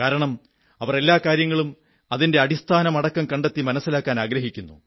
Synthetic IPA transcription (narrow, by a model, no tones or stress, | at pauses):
kaːɾɐɳɐm | ɐʋɐre̞lːaːkaːɾjɐŋːɐɭum | ɐðinde̞ɐɽist̪ʰaːnɐmɐɽɐkːɐmkɐɳɖet̪ːimɐnɐsːilaːkːaːnaːɡɾɐɦikʲːunːṵ